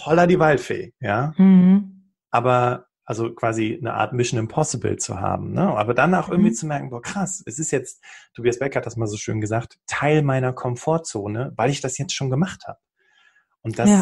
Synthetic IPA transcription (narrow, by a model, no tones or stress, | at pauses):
hɔlɐdivalfḛːjaː | ʔaːbɐ | ʔalzokv̥aːzinə̰ʔa̰ːɐtmɪʃn̩ɪmpʰɔsɪbl̩t͡sṵha̰ːb̚m̩nəʔa̰ːbɐdanaʊxʔɪɐɡŋ̩tv̥iːt͡sumɛɐkŋ̩boːɐkʁ̥asɛsɪstjɛt͡st̚tʰobiːasb̥ɛkhat̚d̥asmaːlzoːʃø̰ːnɡəzaːktʰːaɪlmaɪnɐkʰɔmfoːɐt͡soːnəvaɪlɪçd̥asjɛt͡stʃoːnɡəmaχtha̰ːb̥ə | ʔʊnt̚d̥as